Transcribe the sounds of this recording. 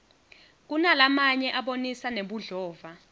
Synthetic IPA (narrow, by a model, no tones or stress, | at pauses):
k̬unalamaɲɛʔaɓonisaneɓuɮɔːva